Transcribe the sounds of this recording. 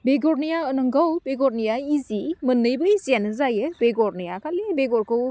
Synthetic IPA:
beɡɔɾnijaɯnɯŋɡawbeɡɔɾnijaizimɯnːɯjbɯjzanɯzajɯbeɡɔɾnijakalibeɡɔɾkɯw

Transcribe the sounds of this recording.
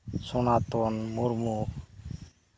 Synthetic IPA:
sonaːt̪onmuɾmu

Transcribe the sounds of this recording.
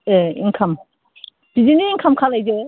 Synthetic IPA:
eḭŋkʰɐm | b̥iziniːŋkʰamkʰalajze

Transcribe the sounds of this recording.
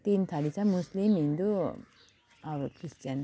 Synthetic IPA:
t̪int̪ʰɐlisamuslimind̪u | ɐʋkɾist͡ʃɐn

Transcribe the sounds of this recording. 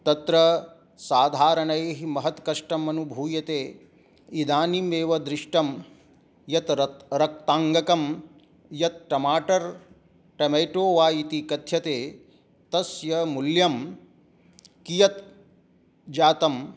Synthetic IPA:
t̪ɐt̪ɾɐ | saːd̪ʱaːɾɐɳɐjɦimɐɦɐt̪kɐʂʈɐmɐnubʱuːjɐt̪eː | id̪aːnimeːʋɐd̪ɾɪʂʈɐm | jɐt̪ɾɐk̚t̪aːŋɡɐkɐm | jɐt̪̚ʈɐmaːʈɐɾ | ʈɐmɐjʈoːʋaːjit̪ikɐt̪ʰjɐt̪eː | t̪ɐsjɐmuljɐm | kijɐt̪ | d͡ʒaːt̪ɐm

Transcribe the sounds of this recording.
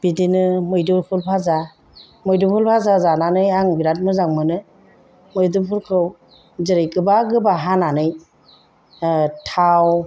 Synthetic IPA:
b̥idinɯmɯjdɯpʰɯlpʰaza | mɯjdɯpʰulpʰazazananɯjaŋbiɾat̚mɯzaŋmɯnɯ | mɯjdɯpʰɯlkʰɯw | ziɾɯjkɯbaɡɯbaɦananɯj | tʰaw

